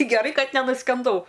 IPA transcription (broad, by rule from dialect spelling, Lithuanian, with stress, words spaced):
ɡʲɛˈrɐɪ ˈkɐt nʲɛnʊsʲkʲɛnˈdɐʊ